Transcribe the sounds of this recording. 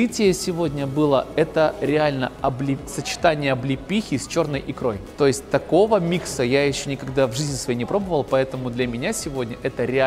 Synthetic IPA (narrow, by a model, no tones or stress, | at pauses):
ɨtʲɪjəsʲɪvo̞dʲnʲəbɨlˠəɛt̪əɾʲɪalʲnəɐblʲɪsət͡ɕɪ̥t̪anʲɪjəɐblʲɪpʲixʲɪsʲt͡ɕo̞rnəjʔɪkɾo̞jt̪o̞jɪsʲt̚ʲt̪ɐko̞vəmʲiksəjajɪɕːɵnʲɪkɐɡ̚d̪avʐɨzʲnʲɪsvɐjenʲɪpɾo̞bəvəlˠpɐɛt̪əmʊd̪lʲɐmʲɪnʲasʲɪvo̞dʲnʲəʔɛt̪əɾʲɪa